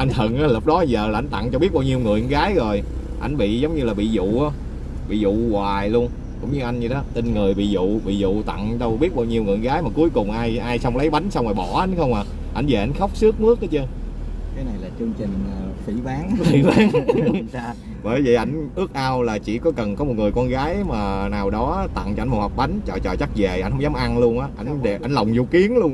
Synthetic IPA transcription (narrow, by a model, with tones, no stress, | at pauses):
ʔa˧jŋ̟t̪ʰə˨˩ŋʔaː˨˦lə˨˩k͡p̚ɗɔ˨˦zəː˨˩laː˨˩ʔa˧jŋ̟t̪a̰˧˨ŋt͡ɕɔ˧ɓi˦˥ət̚ɓaː˧wɲi˧əwŋɨ̰˨˩əɣaː˨˦jzo˨˩j | ʔa˧˩jŋ̟ɓḭ˧˨zə˨˦wŋ͡mɲɨ˧laː˨˩ɓḭ˧˨zṵ˧˨ʔaː˨˦ | ɓḭ˧˨zṵ˧˨waː˨˩jlu˧ən | kʊ̰˧˥ŋ͡mɲɨ˧ʔa˧jŋ̟ɲɨ˧ɗɔ˨˦t̪i˧nŋɨ˨˩əjɓḭ˧˨zṵ˧˨ɓḭ˧˨zṵ˧˨t̪a̰˧˨ŋɗə˧wɓi˦˥t̚ɓaː˧wɲi˧əwŋɨ˨˩əŋɣaː˨˦jmaː˨˩ku˨˦əjkʊ˨˩ŋ͡mʔaː˧jʔaː˧jsa˧wŋ͡mlə˨˦jɓa˨˦jŋ̟sa˧wmaː˨˩ɓɔ˧˩ʔa˨˦jn̟xə˧wŋ͡mhaː˨˩ | ʔa˧jnve˨˩ʔa˧˩jŋ̟xa˦˥wk͡p̚sɨ˦˥ək̚mɨ˦˥ək̚ʔa˨˦t͡ɕɨ˧ | k̪aː˨˦jna˨˩jlaː˨˩t͡ɕɨ˧əŋt͡ɕï˨˩ŋ̟˨˩fi˧˩˦ɓaː˨˦ŋfḭ˧˩ɓaː˨˦ŋ | ɓəː˧˩jvḭ˧˨˩ʔa˧˩jŋ̟ʔɨ˦˥ək̚ʔaː˧wlaː˨˩t͡ɕḭ˧˩kɔ˨˦kə˨˩nkɔ˨˦mo˨˩t̚ŋɨ˨˩əjkɔ˧nɣaː˨˦jmaː˨˩naː˨˩wɗɔ˨˦t̪a̰˧˨ŋt͡ɕɔ˧˩nm̚˨˩hɔ˨˩k͡p̚ɓa˨˦jŋ̟t͡ɕɔ̰˧˨˩t͡ɕɔ̰˧˨˩t͡ɕa˦˥k̚ze˨˩ʔa˧jŋ̟hə˨˦ŋ͡mzaː˨˦mʔa˧ŋlu˧ənʔaː˨˦ʔa˧jŋɗe˨˩ʔa˧jŋlə˨˩wŋ͡mzu˧˩ki˨˦ənlu˧ən